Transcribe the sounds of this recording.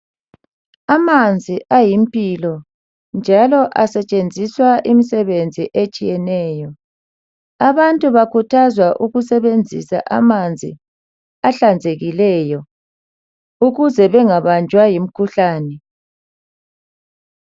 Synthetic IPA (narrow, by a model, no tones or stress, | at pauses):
amand͡zʱiʔajimpʼilɔ | nd͡ʒʱalɔʔasɛt͡ʃʼend͡zʱiswaʔimisɛβend͡zʱiʔet͡ʃʼijɛnɛːjɔ | aβantʼuβakʰutʰazwaʔuɣusɛβend͡zʱḭsa̰ʔamand͡zʱḭ | aɬand͡zʱeɣilɛːjɔ | uɣuzɛβɛŋaβand͡ʒʱwajim̩kʰuɬaːnɛ